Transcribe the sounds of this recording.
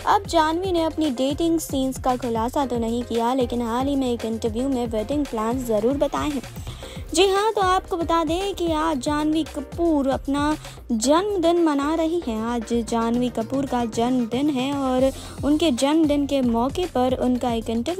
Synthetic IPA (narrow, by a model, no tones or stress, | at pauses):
ɐb̚d͡ʒaːnʋineɐpniɖeːʈɪ̃ŋɡsiːnskakʰʊlaːsat̪onɐɦĩkijaleːkɪnɦaːlɦimẽeːkɪ̃ɳʈəɾʋjumẽʋəːʈɪ̃ŋɡplɛ̃ːnszɐɾuːɾbɐt̪aːeɦɛ̃ː | d͡ʒɪɦãt̪oaːpkobɐt̪aːd̪ẽkiaːd͡ʒaːnʋikɐpuːɾɐpna | d͡ʒɐnmd̪ɪnmɐnaɾɐɦiɦɛ̃aːd͡ʒd͡ʒaːnʋikɐpuːɾkad͡ʒɐnmd̪ɪnɦɛɔːɾ | ʊnked͡ʒɐnmd̪ɪnkemɔːkepɐɾʊnkaeːkɪ̃ɳʈəɾʋj